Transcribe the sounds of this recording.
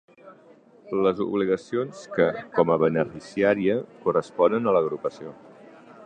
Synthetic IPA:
ləzṵβ̞liɣəsionskəkɔməβ̞ənəfisiaɾiəkurəspɔnənələɣɾupəsio

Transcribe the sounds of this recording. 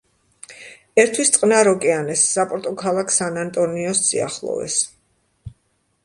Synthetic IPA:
ɛɾt̪ʰwist̪sʼqʼnaɾɔkʼɛanɛsːapʼɔɾt̪ʼɔkʰalˠakʰsanant̪ʼɔniɔsz̥ḭa̰χlˠɔ̰vɛ̰s

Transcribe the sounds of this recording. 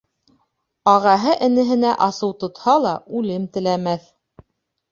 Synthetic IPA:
ɑʁɑɦɤʔɘ̆nɘ̆ɦɘ̆næʔɑsɤwt̪ŏt̪hɑlˠɑʔʉlɘmt̪ɘ̆læmæθ

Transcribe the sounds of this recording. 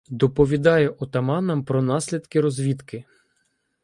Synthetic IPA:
d̪ɔpɔʋʲid̪ɑjɛʔɔt̪ɐmɑnɐmpɾɔnɑsʲlʲid̪kɪɾɔzʋʲit̪kɪ

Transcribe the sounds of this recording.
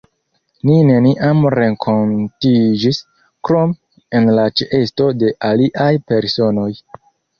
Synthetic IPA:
nine̞niʔamɾe̞ŋkʰo̞ntid͡ʒis | kɾo̞m | e̞nlat͡ʃeʔe̞sto̞de̞ʔaliʔajpe̞ɾso̞no̞j

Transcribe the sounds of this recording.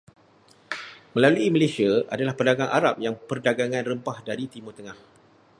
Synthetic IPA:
mə̃laluiməlesiaʔadalahpəndaɡaŋʔa̰ɾap̚jaŋpərdaɡaŋãnrəmpahdaɾit̪imut̪əŋah

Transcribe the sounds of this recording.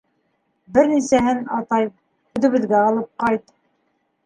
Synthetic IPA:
bɘɾnisæɦɘnɑt̪ɑj | hʉðɘ̆βɘ̆ðɡæɑlˠɤp̚qɑjt̪

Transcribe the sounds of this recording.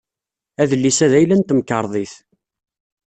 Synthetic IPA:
æðəlːisæðæjlænt̪əmkːəɾˤðˤiθ

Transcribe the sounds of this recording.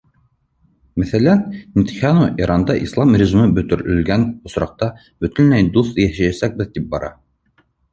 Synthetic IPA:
mæθælænmʲit̪xʲjɑnuʔiɾʔɑnd̪ɑʔislˠɑmrʲɪʒimɘbɵ̆t̪ɵ̆ɾɘ̆lɡænŏsɾɑq̚t̪ɑ | bɵ̆t̪ɘ̆nlæjd̪uθjæhæjæsæk̚bɘðt̪ip̚bɑɾɑ̰

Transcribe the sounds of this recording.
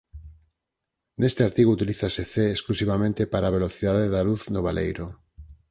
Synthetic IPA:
nest̪eaɾt̪iɣuut̪iliθaseθeːsklusiβamẽnt̪epaɾaːβ̞eloθiðaðeðaluθnoβalḛjɾo

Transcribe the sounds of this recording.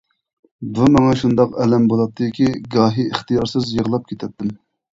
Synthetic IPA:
bumɛŋɛʃund̪ɑqɛlɛmbolˠɑt̪ʰːɨɪkʲiɡɑːɦiɪχt̪ijɑɾsɨzjəʁlˠɑp̚kʲʰet̪ʰɛt̪ʰːɪm

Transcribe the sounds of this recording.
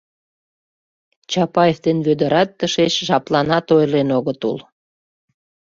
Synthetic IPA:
t͡ɕɑpɑjefd̪enβød̪ə̆ɾɑt̪ːəʃet͡ɕʒɑplɑnɑt̪ojlenoɣət̪ṵl

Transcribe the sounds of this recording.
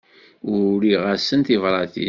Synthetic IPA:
ʊɾiʁæsːənt̪ivɾˤɑθḭ

